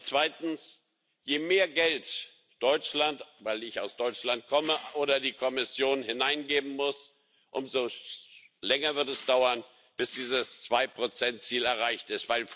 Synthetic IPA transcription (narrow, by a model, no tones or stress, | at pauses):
t͡sv̥aɪtn̩s | jeːmeːɐɡɛlt | d̥ɔʏt͡ʃlantvaɪlɪçaʊsd̥ɔʏt͡ʃlant̚kʰɔməʔoːdɐdiːkʰɔmɪsjoːnhɪnaɪnɡeːbm̩mʊs | ʔʊmzo | lɛŋɐvɪɐtɛsd̥aʊɐn | b̥ɪsd̥iːzəst͡sv̥aɪpʁ̥ot͡sɛntt͡siːlɛɐʁaɪçtɪstv̥aɪl